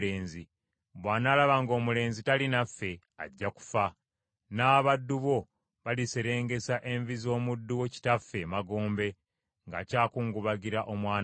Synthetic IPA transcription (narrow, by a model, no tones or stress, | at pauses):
e̞ːnzi | βwaːnaːlaβaŋɡo̞ːmule̞ːnzitalinafːe̞ | a̰ɟːaku̥fa | naːβadːuβo̞ | βalise̞ɾe̞ːŋɡe̞saʔe̞ɱvizo̞ːmudːuwo̞ci̥tafːe̞maɡoːmbe̞ | ŋɡa̰caːkuːŋɡuβaɡiɾaʔo̞mwaːn